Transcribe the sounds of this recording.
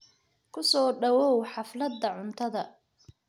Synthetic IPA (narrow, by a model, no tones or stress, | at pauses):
kʰʊsɔːɖɐwɔwħɑflɐd̪ːɐʕʊnt̪ʰɐðɐ